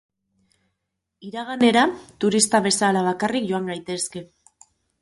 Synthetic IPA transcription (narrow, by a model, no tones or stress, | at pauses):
iɾaɣane̞ɾat̪uɾist̪aβ̞e̞salaβ̞akarikʝo̞aŋɡajt̪e̞ske̞